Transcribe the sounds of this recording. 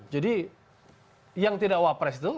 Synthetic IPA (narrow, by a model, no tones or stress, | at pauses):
d͡ʒadi | jaŋt̪idakwapɾɛst̪u